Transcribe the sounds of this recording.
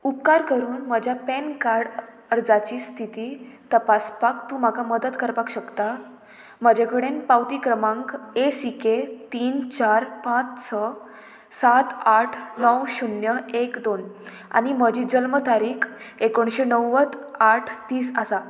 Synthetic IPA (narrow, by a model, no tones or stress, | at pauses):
upkaɾkəɾuːnm̤əd͡ʑʱjapɛnkaɾɖ | əɾd͡zat͡ɕiːst̪ʰit̪iːt̪əpaspakt̪ũːm̤akʰaməd̪ət̪kəɾpakɕəkt̪a | m̤əd͡ʑʱekəɽenpawt̪ikɾəmãŋkesiket̪iːnt͡ɕaɾpãt͡ssʰə | sat̪aʈʰnəwɕunjəekd̪on | a̰ñim̤əd͡ʑiːd͡ʑəlmət̪aɾiːkʰ | ekoɳɕenəwːət͡s̪aʈʰt̪iːsasa